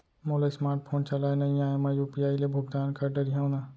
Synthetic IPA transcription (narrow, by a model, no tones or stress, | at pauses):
moːlasmaːɾʈ̚pʰoːnt͡ʃɐlaːenɐĩaːemɐ̃jupijaːilebʱʊɡd̪aːnkɐɾɖəɾijɦãwnaː